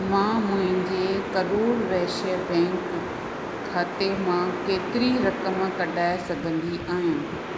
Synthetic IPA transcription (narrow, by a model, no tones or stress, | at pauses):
mãːmʊ̃ɦɪ̃ɲd͡ʑekɐɾuːɾʋɛɦʃəbɛ̃ːŋk | kʰːaːt̪emãkeːt̪ɪɾiɾɐkəmkɐɗaːɪsɐɡʱə̃nd̪iʔaːɦjãː